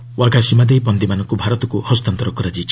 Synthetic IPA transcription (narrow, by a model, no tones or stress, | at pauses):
wʔaɡʱasimad̪ejpɔnd̪imanɔ̃ŋkubʱaɾɔt̪ɔkuhɔst̪ant̪ɔɾɔkɔɾad͡ʒit͡ʃʰ